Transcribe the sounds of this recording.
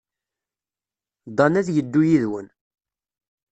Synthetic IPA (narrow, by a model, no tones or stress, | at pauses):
d̪ˤɑnæðjəd̪ːujiðwən